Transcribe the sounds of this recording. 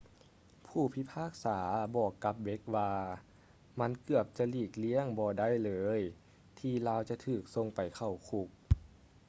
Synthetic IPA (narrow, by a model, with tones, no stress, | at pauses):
pʰuː˧˩pʰi˧˥pʰaː˥˩k̚saː˩˦bɔː˨˩kːa˧˦˥p̚be˧˦˥k̚waː˧ | ma˧˥nkɯ˧˩əp̚t͡ɕa˧liː˧˩k̚li˧˥˨əŋbɔː˧˩da˥˨jlɤː˨˧˦j | t̪ʰiː˧laː˧˥wt͡ɕa˧t̪ʰɯː˨˩k̚so˧ŋpa˨˩jkʰa˧˩wkʰu˧˦k̚